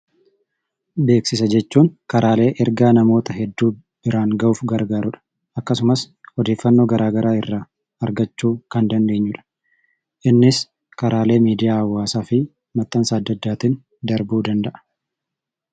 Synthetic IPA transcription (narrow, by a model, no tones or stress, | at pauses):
be̞ːksɪsɐd͡ʒɛt͡ʃːuːŋkɐɾʔaːle̞ːʔɛɾɡaːnɐmo̞ːt̪ɐɦɛd̪ːuː | b̥ɪɾaːŋɡɐuːfɡɐɾɡaːɾʊᶑɐ̥ | ʔɐkːɐsʊmɐs | hɔd̪e̞ːfːɐnːo̞ːɡɐɾaːɡɐɾaːɪrːaː | ɐɾɡɐt͡ʃːuːkɐnd̪ɐnd̪eːɲːʊᶑɐ̥ | ʔɪnːɪs | kɐɾaːle̞ːmiːd̪ɪjaːɐwːaːsaːfɪ | mɐt̪ːɐnsaːd̪ːɐd̪ːaːt̪in | d̪ɐɾbuːd̪ɐnd̪ɐʔɐ̥